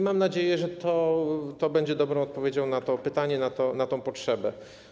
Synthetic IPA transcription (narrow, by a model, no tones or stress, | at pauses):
mamnad͡ʑejɛʐɛt̪ɔt̪ɔbɛɲd͡ʑɛd̪ɔbɾɔ̃w̃ɔt̪̚pɔvʲjed͡ʑɔ̃w̃nat̪ɔpɘt̪aɲɛnat̪ɔnat̪ɔ̃w̃pɔtʂɛbɛ